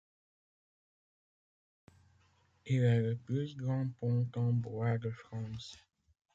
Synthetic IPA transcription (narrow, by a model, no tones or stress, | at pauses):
ilaləplysɡʁɑ̃pɔ̃t̪ɑ̃bʁwad̪əfχɑ̃ːs